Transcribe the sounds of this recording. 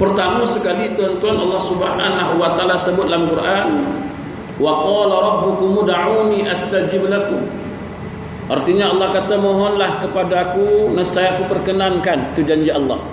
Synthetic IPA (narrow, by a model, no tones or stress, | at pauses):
pərt̪amusəkalit̪ɔnt̪ɔnʔɑ̰lːɑhsubaɦa̰naɦuwat̪aalasəbʊt̪̚alamkurʔan | waqɔːlaɾˤɑbːʊkʊmudaʕuwniʔast̪ad͡ʒɪblakʊm | ʔa̰rt̪iɲaɑlːɑhkat̪amɔɦɔnlahkəpadakunəsajakupərkənankank̪ud͡ʒaɲd͡ʒiɑlːɑ̰h